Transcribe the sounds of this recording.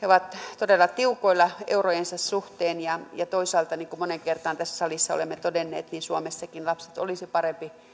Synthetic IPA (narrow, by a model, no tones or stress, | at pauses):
heoʋɑt̪t̪odelːˑɑt̪iukoilːˑɑḛurojensɑssuht̪eːnjɑjɑt̪oisɑːlt̪ɑniːŋkumoneŋkert̪ɑnt̪æsːsɑlisːɑo̰lemːet̪odenːḛːt̪ninsuomesːɑkinlɑpse̥t̪o̰lisipɑrempi